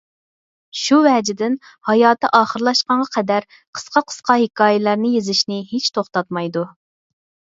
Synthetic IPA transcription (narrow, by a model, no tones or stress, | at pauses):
ʃuvɛd͡ʒɪd̪ɪn | hɑjɑːt̪ɛʔɑːχəɾlˠɑʃqɑɴʁɑqʰɛd̪æɾ | qʰə̥sqɑqʰə̥sqɑhɪkʰɑːjɪlˠæɾnɨjezɪʃnɪɦet͡ʃt̪ʰoχt̪ɑt̪̚mɑjd̪u